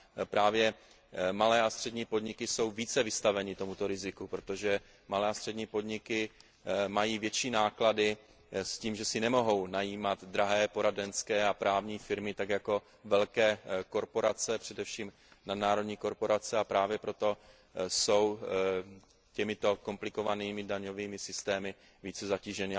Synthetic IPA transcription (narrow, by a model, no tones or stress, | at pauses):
pɾaːvjɛ | malɛːast̪r̥ɛdɲiːpo̞dɲɪkɪso̞wviːt͡sɛvɪst̪avɛɲɪt̪o̞mut̪o̞ɾɪzɪkupɾo̞t̪o̞ʒɛ | malɛːast̪r̥ɛdɲiːpo̞dɲɪkɪ | majiːvjɛt͡ʃiːnaːkladɪ | sciːmʒɛsɪnɛmo̞ɦo̞wnajiːmat̪d̪ɾaɦɛːpo̞ɾadɛnskɛːapɾaːvɲiːfɪɾmɪt̪akjako̞ | vɛlkɛːko̞ɾpo̞ɾat͡sɛpr̝̥ɛdɛfʃiːm | nadnaːɾo̞dɲiːko̞ɾpo̞ɾat͡sɛapɾaːvjɛpɾo̞t̪o̞ | so̞w | cɛmɪt̪o̞ko̞mplɪko̞vaniːmɪdaɲo̞viːmɪsɪst̪ɛːmɪ | viːt͡sɛzaciːʒɛnɪ